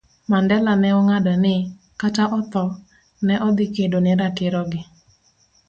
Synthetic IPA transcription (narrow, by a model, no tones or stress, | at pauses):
mandɛlanɛɔŋadanɪ | kataʔɔt̪ɔ | nɛʔɔd̪ɪkedonɪɾakɪɾɔɡɪ